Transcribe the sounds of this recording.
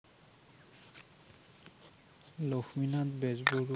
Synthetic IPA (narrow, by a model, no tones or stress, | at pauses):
loxminat̪̚bɛzboɹ